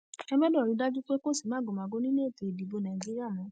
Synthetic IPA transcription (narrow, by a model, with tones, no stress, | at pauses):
ɛ˧mɛ˦dɔ˦˨ɾi˨˧˦da˦d͡ʒu˦k͡pe˦ko˦˨si˦˨mãː˨˦ɡo˨m˨a˨˧ɡo˦nĩ˦nẽ˦e˦˨te˨di˨bo˨˧nã˨d͡ʒi˦ɾi˦a˦˨mɔ̃˨˦